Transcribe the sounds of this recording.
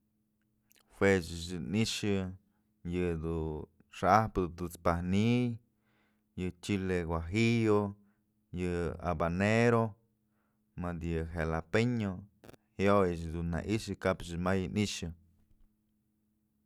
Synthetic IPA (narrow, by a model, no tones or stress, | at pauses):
hwet͡ʃɨʃ̬ɨniʂɨ | jɨd̪u | ʂaahpɨd̪ut̪ut͡spahnij | jɨt͡ʃileɡwaɦijo | jɨa̰baneɾo | mad̪jɨɦelapeɲohjojɨt͡ʃd̪unna̰ʔiʃɨkapt͡ʃɨmajɨniʃɨ